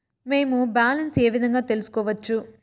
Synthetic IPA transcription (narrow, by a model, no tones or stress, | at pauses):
me̞ːmubaːlɐnse̞ːʋid̪ʱɐŋɡaːt̪elusu̥kɔːʋɐt͡ʃːu